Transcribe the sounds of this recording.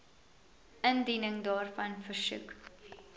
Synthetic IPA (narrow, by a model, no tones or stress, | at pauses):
əndinəŋdɑːrfɐnfərsʉ̰k